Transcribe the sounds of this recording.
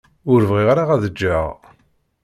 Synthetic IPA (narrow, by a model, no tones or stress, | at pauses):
ʊɾvʁiʁaɾaʁæðəd͡ʒːaʁ